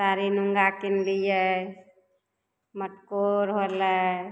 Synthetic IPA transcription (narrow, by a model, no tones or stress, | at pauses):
saɾinuŋɡakinlijə | məʈkoɾɦolə